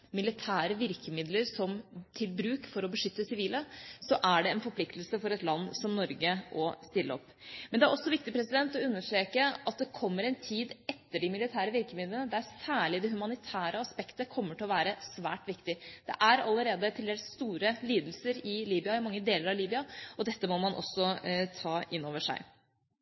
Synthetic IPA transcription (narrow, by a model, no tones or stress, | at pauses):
mɪlɪt̪ʰæːɾəʋɪɾkəmɪd̪ləɾsɔmt̪ʰɪlbɾʉːkfɔɾɔbəʂʏt̪ːəsɪʋiːləsɔʔæɖɛɛnfɔɾpʰlɪkt̪lsəfɔɾɛt̪lɑnːsɔmnɔɾɡəʔɔst̪ɪlːə̰ɔ̰pː | mɛnd̪ɛæɾʔɔsːɔʋɪkt̪ɪpʰɾɛsɪd̪ɛnt̪ːɔʉnːəʂʈɾeːkəɑt̪̚d̪ɛkʰɔmːəɾɛnt̪ʰiːd̪ɛt̪ːəɖɪmɪlɪt̪ʰæːɾəʋɪɾkəmɪd̪lənəd̪æɾsæːɭɪd̪ɛɦʉmɑnɪt̪ʰæːɾəɑspɛkt̪əkʰɔmːəʈʰɪlɔʋæːɾəsʋæːʈʋɪkt̪ɪd̪̥ɛ̰ʔæɾɑ̰lːəɾeːd̪ət̪ʰɪlɛlsst̪uːɾəliːd̪lsəɾɪliːbɪɑɪmɑŋːəd̪eːləɾɑʋliːbɪɑɔd̪ɛt̪ːəmɔmɑnʔɔ̰sːɔt̪ʰɑːʔɪnːoːʋəʂæ̰ɪ